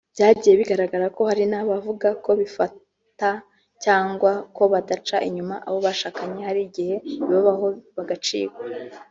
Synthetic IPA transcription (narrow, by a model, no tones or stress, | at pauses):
b̥jaːɟije̞βiɡaɾaɡaɾako̞haɾinaβavuɡako̞βifa | ta | caːŋɡwako̞βadat͡ʃaʔiɲumaʔaβo̞βaʃaːkaɲehaɾiɟihe̞iβaβaho̞βaɡat͡ʃḭːɡa